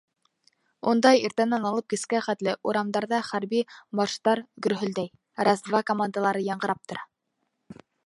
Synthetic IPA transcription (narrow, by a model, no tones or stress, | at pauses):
und̪ɑjiɾt̪ænænɑlˠɤp̚kɘ̆skæχæt̪lɘʔuɾɑmd̪ɑɾðɑχæɾbibɑʃt̪ɑɾɡɵ̆ɾɦɵ̆ld̪æj | ɾɑzvɑkomand̪alˠɑɾɤjɑɴɢɤ̆ɾɑp̚t̪ŏɾɑ